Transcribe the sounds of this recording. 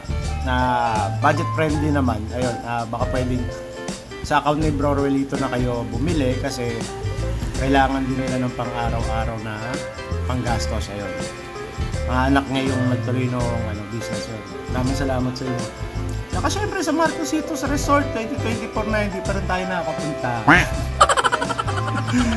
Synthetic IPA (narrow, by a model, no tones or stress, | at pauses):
nɐbad͡ʒɛt̪̚fɾɛnd̪ɪnɐmanʔɐjo̞nʔabɐkapwɛːd̪ɪŋ | sɐʔɐkawnnɐjbɾoɾwɛliːt̪onɐkɐjo̞bʊmɪlɛkɐsɛ | kɐjlaːŋɐnd̪ɪnɐlɐnɐŋpɐŋʔaːɾɐwʔaːɾɐwnɐ | pɐŋɡast̪o̞sʔɐjon | mɐaʔɐnɐk̚ɲajʊŋmɛɡ̚t̪ʊɾiːnoŋʔɐno̞b̪isnɛsjon | d̪aːmɪnsɐlaːmɐt̪sɐjot͡ʃɐkaʃɛmpɾɛsɐmaɾkosiːt̪osɐɾɛsolt̪̚kwɛnt̪ɪt̪wɛnt̪ɪfoɾnɐhɪnd̪iːpɐɾɪnt̪aːjonɐkɐkɐpʊnt̪ɐ